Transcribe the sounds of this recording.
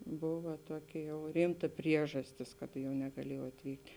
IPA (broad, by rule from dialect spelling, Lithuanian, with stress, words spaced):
ˈboːʋɐ ˈtuɔˌkʲɪ jɛʊ ˈrʲiːmtɐ ˈpʲrʲiɛʒɐsʲtʲɪs kɐt jɛʊ nʲɛɡɐˈlʲiɛjɛʊ ɐtʲˈʋʲiːktʲ